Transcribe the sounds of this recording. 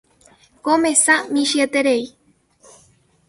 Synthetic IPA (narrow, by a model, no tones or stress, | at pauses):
komẽsamĩʃiet̪eɾei